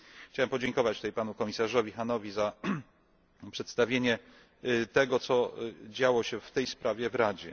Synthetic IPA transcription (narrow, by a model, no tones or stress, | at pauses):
xt͡ɕawɛmpɔd͡ʑɛŋkɔvat͡ɕt̪t̪ɛjpanukɔmʲisaʐɔvʲixanɔvʲiza | pʂɛt̪st̪avʲjeɲɛ | t̪ɛɡɔt̪sɔd͡ʑawɔɕɛft̪ɛjspɾʔavʲjɛvɾad͡ʑɛ̰